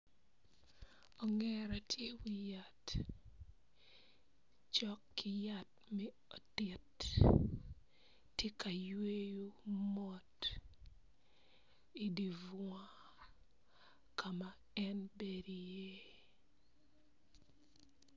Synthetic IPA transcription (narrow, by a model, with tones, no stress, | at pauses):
ɔ˨ŋɛɾa˨tʰje˦wi˨ja˨t | t͡ʃɔ˦kːɪ˦ja˨t̚mɛ˦ | ɔ˨tɪ˨t | ti˦ka˨jwe˦ju˦mo˦t | i˨di˨va˦ | kʰa˨ma˨ | ɛ˦nbe˨ɾi˨je˦